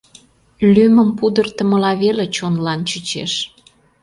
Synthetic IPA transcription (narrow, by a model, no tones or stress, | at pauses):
lyməmpud̪ərt̪ə̆mə̆lɑβelet͡ɕonlɑnt͡ɕət͡ɕeʃ